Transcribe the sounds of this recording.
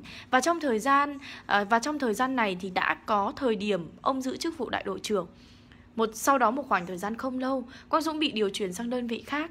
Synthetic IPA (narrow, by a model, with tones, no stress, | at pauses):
vaː˨˩t͡ɕɔ˧wŋ͡mt̪ʰəː˨˩jzaː˧n˨˩vaː˨˩t͡ɕɔ˧wŋ͡mt̪ʰəː˨˩jzaː˧nːa˨˩jt̪ʰi˨˩ɗa̰ː˧˥kɔ˨˦t̪ʰəː˨˩jɗi˧˩əmʔə˧wŋ͡mzɨ̰˧˥t͡ɕɨ˦˥k̚vṵ˧˨ɗa̰ː˧˨jɗo̰˧˨jt͡ɕɨ˨˩əŋ | mo˨˩t̚sa˧wɗɔ˨˦mo˨˩t̚xwaː˨˧˩ŋt̪əː˨˩jzaː˧nxə˧wŋ͡mlə˧wkɔ˨˦nzʊ̰˧˥ŋ͡mɓḭ˧˨ɗi˨˩əwt͡ɕwi˨˧˩ənsaː˧ŋɗəː˧nvḭ˧˨xaː˦˥k̚